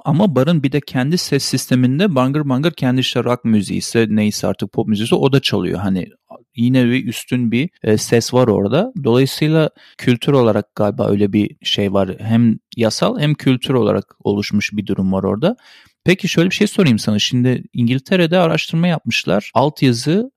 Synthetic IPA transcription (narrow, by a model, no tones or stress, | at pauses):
amabaɾɯnbid̪ɛcʰɛnd̪isɛsːist̪ʰe̞mind̪ɛbaŋɡɯɾbaŋɡɯɾcʰɛnd̪iʃt̪ɛɾakmyzḛjisɛnejisɛa̰ɾt̪ʰɯk̚pʰo̞pmyzeisiʔo̞d̪at͡ʃʰalˠɯ̰jo̞̰ɦanɪ̰ | jinɛbiyst̪ʰynbisɛsvaɾo̞̰ɾd̪ad̪o̞lˠajɯsɯjlˠa | cʰylʲt̪ʰyɾo̞lˠaɾak̚ɡ̥aːlʲba̰ːʔø̰jlʲɛbiʃejvaɾɦæmjasa̰lˠhæmcʰylʲt̪ʰyɾo̞lˠa̰ɾa̰ko̞̰lˠuʃmuʃbid̪uɾumvaɾo̞̰ɾd̪a | pʰecʰiʃøjlʲbiʃe̞jso̞ɾajɯmsanɯʃimd̪ɪiɲɟilʲt̪ʰe̞ɾed̪ɛaɾaʃt̪ʰɯɾmajap̚mɯʃlˠa̰ɾ̥alˠt̪ʰjazɯ